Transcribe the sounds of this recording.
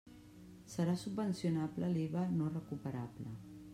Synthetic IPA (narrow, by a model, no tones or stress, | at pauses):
səɾasubːənsjunapləliβənorəkupəɾaplə̰